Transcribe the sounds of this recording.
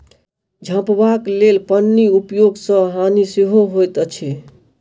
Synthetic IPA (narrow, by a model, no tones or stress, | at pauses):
d͡ʒʱə̃pbaklelpənːiupjoɡsə̃ɦaniseɦoɦojt̪ət͡ʃʰe